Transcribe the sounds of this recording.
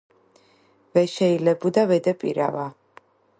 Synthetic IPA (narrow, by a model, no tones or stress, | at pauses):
vɛʃɛilɛbud̪avɛd̪ɛpʼḭɾa̰va